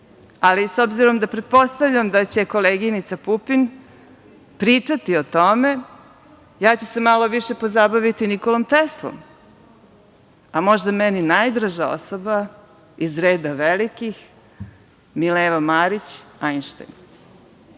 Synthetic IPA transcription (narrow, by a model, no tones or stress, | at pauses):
alisobziɾo̞md̪apɾed̪̚po̞st̪aʋʎamd̪at͡ɕe̞koleːɡinit̪sapupin | pɾiːt͡ʂat̪io̞t̪o̞me̞ | jaːt͡ɕusemalo̞ʋiʃe̞po̞zabaʋit̪iniko̞lˠomt̪eslˠo̰m | amo̞ʒd̪amɛninajd̪ɾaʒao̰soba | izɾeːd̪aʋelikix | mileːʋamaɾit͡ɕajnʃt̪a̰jn